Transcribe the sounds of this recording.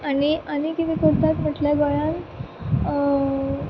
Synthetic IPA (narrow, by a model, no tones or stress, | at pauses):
aɽ̃iʔañikit̪ʰĩkəɾt̪at̪m̤əʈljaɡaɭan